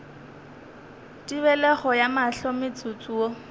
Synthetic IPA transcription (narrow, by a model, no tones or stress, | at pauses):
tʼiβɛlɛχɔjamaɬomet͡sʼʊt͡sʼuːɔ